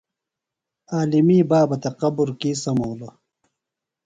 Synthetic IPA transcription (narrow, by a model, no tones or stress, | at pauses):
aːlimiːbaːbɐt̪ɐqɐbuɾkiːsɐmoːlɐ